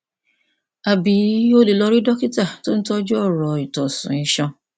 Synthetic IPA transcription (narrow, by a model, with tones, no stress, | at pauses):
a˨bi˨˦o˦le˨lɔ˧ɾi˦dɔ˦ki˦ta˦˨to˦n̩˦tɔ˦d͡ʒɔ˦˨ɾɔ˨i˨tɔ˨sṵ̃˨ĩ˧ʃɔ̃˧